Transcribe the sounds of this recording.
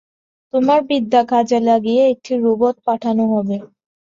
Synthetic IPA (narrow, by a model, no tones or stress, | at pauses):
t̪omaɾbid̪ːakʰad͡ʑalaɡieek̚ʈiɾubot̪̚paʈʰanoɦɔbe